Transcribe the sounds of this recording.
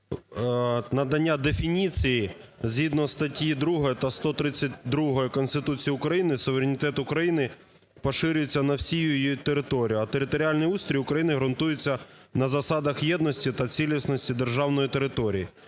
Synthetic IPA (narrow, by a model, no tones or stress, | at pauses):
nɐd̪ɐnʲːad̪efʲinʲit͡sʲijizʲɦid̪nɔst̪ɐtʲjid̪ɾuɦɔjɔt̪ɐst̪ɔt̪ɾɪt͡sʲːɐtʲd̪ɾuɦɔjɔkɔnst̪ɪt̪ut͡sʲijɐʊkɾɐjinɪsʊʋeɾenʲɪt̪ɛt̪ʊkɾɐjinɪ | pɔʃɪɾʲʊjet͡sʲːɐnɐwsʲijujit̪eɾɪt̪ɔɾʲijʊɐt̪eɾɪt̪ɔɾʲɪalʲnɪjust̪ɾʲijʊkɾɐjinɪɦɾʊnt̪ujɪt͡sʲːɐ | nɐzɐsɑd̪ɐxjɛd̪nɔsʲtʲit̪ɐt͡sʲilʲisnɔsʲtʲid̪erʒɑwnɔjit̪e̞ɾɪt̪ɔɾʲiji